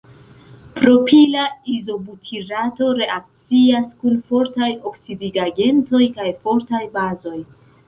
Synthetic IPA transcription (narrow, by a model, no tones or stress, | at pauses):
pɾo̞pʰilaizo̞butʰiɾato̞ɾe̞ʔak̚t͡siaskunfo̞ɾtajo̞ksidiɡaɡe̞nto̞jkajfo̞ɾtajbazo̞j